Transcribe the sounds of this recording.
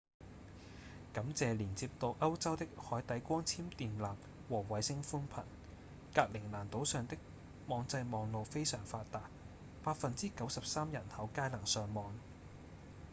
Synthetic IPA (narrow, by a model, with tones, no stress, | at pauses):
kɐ˨˥mt͡sɛː˨liː˨˩nt͡siː˧p̚t̪o˨˧wʔɐ˥wt͡sɐ˥wt̪ɪ˥k̚hɔː˨˥jt̪ɐ˨˥jkʷɔː˥ŋt͡sʰiː˥mt̪iː˨nlaː˨p̚ | wɔː˨˩wɐ˨˥jsɪ˥ŋfuː˥npʰɐ̰˨˩n | kaː˧k̚lɪ˨˩ŋlaː˨˩nt̪o˨˥wsœː˨ŋt̪ɪ˥k̚ | mɔː˨˧ŋt͡sɐ˧jmɔː˨˧ŋlo˨˧wfe˥jsœː˨˩ŋfaː˧t̚t̪aː˨t̚ | paː˧t̚fɐ˨nt͡siː˥kɐ˨˥wsɐ˨p̚saː˥mjɐ˨˩nhɐ˨˥wkaː˥jlɐ˨˩ŋsœː˨ŋmɔː˨˧ŋ